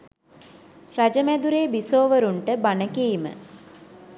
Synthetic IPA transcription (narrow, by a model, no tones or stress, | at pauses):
rad͡ʒəmæd̪uɾeːbisoːʋəɾuɳʈəbanəkiːmə̰